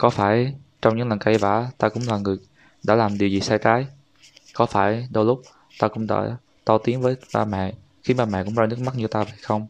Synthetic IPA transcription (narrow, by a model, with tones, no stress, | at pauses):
kɔ˨˦faː˧˩jt͡ɕɔ˧wŋ͡mɲɨ̰˧˥ŋlə˨˩nka˧jva̰ː˧˩t̪aː˧kʊ̰˧˥ŋ͡mlaː˨˩ŋɨ˨˩əj | ɗa̰ː˧˥laː˨˩mɗi˨˩əwzi˨˩saː˧jt̪aː˨˦j | kɔ˨˦faː˧˩jɗə˧wlʊ˦˥k͡p̚ | t̪aː˧kʊ̰˧˥wŋ͡mɗa̰ː˧˥ | t̪ɔ˧˦t̪i˨˦ənvəː˨˦jɓaː˧mɛ̰˧˨ | xi˧maː˨˩mɛ̰˧˨kʊ̰˧˥ŋ͡mzɔ˧jnɨ˦˥k̚ma˦˥t̚ɲɨ˧t̪aː˧və˨˩jxə˧wŋ͡m